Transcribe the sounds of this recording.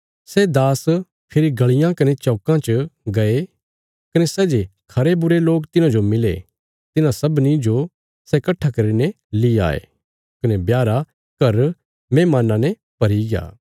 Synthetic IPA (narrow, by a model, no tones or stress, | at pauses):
sɛd̪aːs | pʰɪɾiɡɐɭɪjãkɐnet͡ʃɔːkãt͡ʃɡɐe | kɐnesɛːd͡ʒekʰɐɾebʊɾeloːkt̪ɪnãd͡ʒomɪlḛ | t̪ɪnãsɐbnid͡ʒo | sɛkɐʈʰːakɐɾine | lia̰ːḛː | kɐnebjaːɾa | kɐɾ | mẽːmaːnãnɛ | pɐɾiɡɪja̰ː